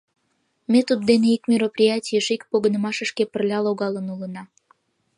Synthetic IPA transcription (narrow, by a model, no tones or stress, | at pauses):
met̪ud̪̚d̪eneikmʲiɾoprʲijatʲijəʃikpoɣənə̆mɑʃə̆ʃkepərlʲɑloɣɑlənulənɑ